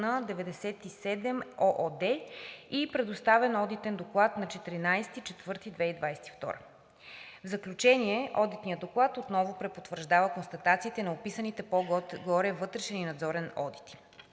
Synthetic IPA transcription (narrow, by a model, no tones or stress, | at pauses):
nɐd̪ɛvɛd̪ɛsɛt̪isɛd̪ɛmɔʔɔd̪ɛipɾɛd̪ʊst̪avɛnɔd̪it̪ɛnd̪oklˠat̪nɐt͡ʃɛt̪iɾinajsɛ̥t̪it͡ʃɛt̪vɤɾt̪id̪vɛid̪vajsɛ̥t̪i̥ft̪ɔ̰ɾə | vzəklʲut͡ʃɛniɛʔɔd̪it̪nijəd̪oklˠat̪ot̪nɔvʊpɾɛpot̪vəɾʒd̪avəkonst̪ɐt̪at̪siːt̪ɛnɐopisənit̪ɛpɔɡ̪ɡɔɾɛvɤt̪ɾɛʃɛninɐd̪zɔɾɛnɔ̰d̪i̥t̪i̥